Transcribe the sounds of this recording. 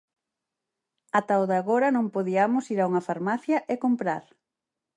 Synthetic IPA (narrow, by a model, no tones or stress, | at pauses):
at̪aoðaɣoɾɐnõŋpoðiamʊsiɾauŋɐfaɾmaθjɐʔeɪkompɾaɾ